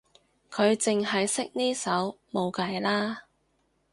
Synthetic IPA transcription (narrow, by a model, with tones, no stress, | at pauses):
kʰɵ˨˧ɥt͡sɪ˨ŋɦɐ˨jsɪ˥k̚niː˥sɐ˨˥wmo˨˧wkɐ˨jlaː˥